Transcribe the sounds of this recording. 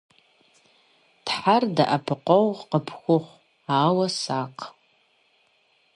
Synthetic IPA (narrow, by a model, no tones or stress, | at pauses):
d̥ħarda̰ʔapʰqʷʼowqəpʰxʷʊχʷ | aːwasaqʼʰ